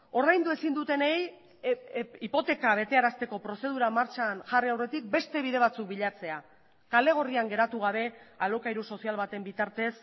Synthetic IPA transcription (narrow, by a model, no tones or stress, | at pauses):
o̞ɾðajnd̪ue̞sind̪ut̪e̞nej | ipo̞t̪e̞kaβ̞e̞t̪e̞aɾast̪e̞ko̞pɾo̞se̞ð̞uɾamaɾt͡ʃanʝariawret̪ik̚be̞st̪e̞β̞iðe̞β̞at͡suk̚biʎat͡se̞a | kale̞ɣ̞o̞riaŋɡe̞ɾat̪uɣ̞aβ̞e̞alokajɾuso̞sialβat̪e̞mbit̪aɾt̪e̞s